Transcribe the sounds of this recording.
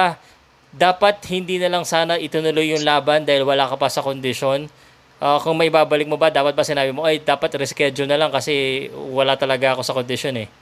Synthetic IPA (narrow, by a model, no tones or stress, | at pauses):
d̪aːpɐt̪̚hɪnd̪iːnɐlɐŋsaːnɐʔɪt̪ʊnʊlo̞jːʊŋlaːbɐnd̪aːhɪlwɐlaːkɐpɐsɐkond̪ɪʃo̞n | ʔakʊŋmɐʔɪbaːbɐlɪk̚mo̞bɐd̪aːpɐt̪̚bɐsɪnaːbɪmoʔɐjd̪aːpɐt̪ɾɛskɛd͡ʒonɐlaŋkɐsɛwɐlat̪ɐlɐɡaʔɐko̞sɐkond̪ɪʃo̞nɛ